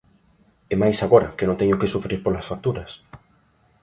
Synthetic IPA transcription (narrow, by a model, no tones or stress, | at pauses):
emajsaɣoɾɐ̰kenõŋt̪eɲokɪsufɾiɾpolasfak̚t̪uɾɐs